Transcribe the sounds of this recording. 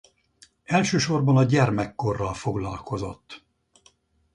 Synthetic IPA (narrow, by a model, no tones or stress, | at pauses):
ɛlʃøːʃo̞rbɒnɒɟɛrmɛkːo̞rːɒlfo̞ɡlɒlkʰo̞zo̞̰t̪ː